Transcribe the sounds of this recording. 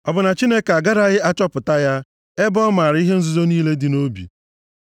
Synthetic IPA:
ɔ˨bʊ˨na˨t͡ʃi˦ne˦ka˨ɡa˦ɾa˨ɣɪ˦a˦t͡ʃɔ˦pʊ˨ta˦ja˦ | e˦bɔ˦ma˨ɾɪ˨˦i˦ɦe˦n̩˦zu˦zo˦niː˦le˦dɪ˨no˦bḭ˨

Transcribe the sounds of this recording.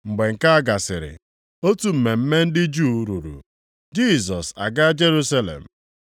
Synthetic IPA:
ŋ͡m̩˨ɡ͡be˨ŋ̩˨ka˦a˦ɡa˨sɪ˨ɾɪ̰˨ | o˦tu˦m̩˨me˨m̩˦me˦n̩˦dɪ˦d͡ʒuː˦˨˦ɾu˨ɾṵ˨ | d͡ʒi˦˨sɔ˨sa̰˨ɡa˦d͡ʒe˦ɾu˦sa˦lḛ˨m̩˨

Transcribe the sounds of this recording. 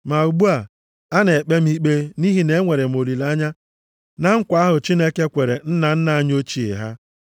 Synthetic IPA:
ma˨u˨ɡ͡bu˦a˨ | a˦ne˨k͡pe˦m̩˦i˦k͡pe˦ni˦ɦi˨ne˦ŋʷe˨ɾe˨m˨o˨li˨la˦ɲa˦ | na˦ŋ̩˦kʷa˦a˦ɦʊ˨t͡ʃi˦ne˦ke˦kʷe˨ɾe˨n̩˦na˨n̩˦na˨a˦ɲ˦o˦t͡ʃi˨˦ḛ˨ɦa̰˦

